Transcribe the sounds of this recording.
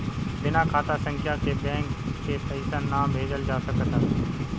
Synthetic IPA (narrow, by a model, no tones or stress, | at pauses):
bɪnakʰaːt̪asə̃ŋkʰjakʰebɛ̃ːŋkːepəisənːaːbʱeːd͡ʒəld͡ʒaːsəkət̪ə